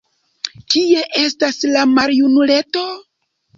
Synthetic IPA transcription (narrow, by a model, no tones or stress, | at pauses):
kie̞ʔe̞staslamaɾjunule̞to̞